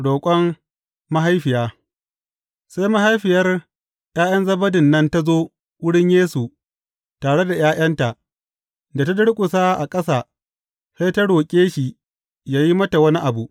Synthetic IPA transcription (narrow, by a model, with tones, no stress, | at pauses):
ɽoː˨kʷʼɐ˦mː | a˦ɦa˦jɸɪ˨jaː˦ | sa˦jma˦ɦa˦jɸɪ˨jɐ˦r | jaː˦j̰ɐ˦nzɐ˦bɐ˦dɪ˨nːɐ˦nta˦zoː˦ | wʷʊ˦ɽɪ˦ɲjeː˦su˨ | taː˨ɽe˦da˨jaː˦jʔɐ˦nta˨ʔ | da˨ta˦dʊ˦ɽkʷʼʊ˨sa˦ʔa˨kʼɐ˦saː˨ | se˦jta˦ɽoː˨kʲʼeː˦ʃi˨ | jaː˦ji˦mɐ˦ta˨wɐ˦ni˦ʔa˨bu˨ʔ